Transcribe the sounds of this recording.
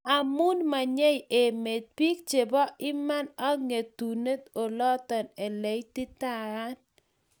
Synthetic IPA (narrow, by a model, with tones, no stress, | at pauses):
a˨mu˦nma˨ɲe˦je˨me˨t̪̚pi˦k̚t͡ʃe˨bɔ˦ʔɪ˦ma˦na˦ŋe˨t̪u˨ne˦t̪o˨lɔ˦t̪ɔ˨ne˨le˨˦jt̪i˦t̪a˦n